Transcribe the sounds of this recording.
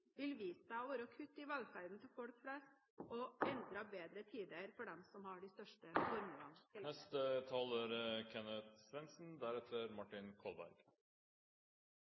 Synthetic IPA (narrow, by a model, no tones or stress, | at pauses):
ʋɪlʋiːsəʋoːɾɔkʰʉt̪ːɪʋɑlɡfæɾd̪n̩t̪ʰɪlfɔlkflɛst̪ | ɔɛnd̪ɾɑbeːd̪ɾət̪ʰiːd̪əɾfɔɖɛmsɔmhɑɖɪst̪œʂʈəfɔɾmʉlɑnɛst̪ət̪ʰɑːləɾkʰɛnət̪sʋɛnsn̩d̪æɾɛt̪ʰəɾmɑʈːɪnkʰɔlbæ̰ɾɡ̥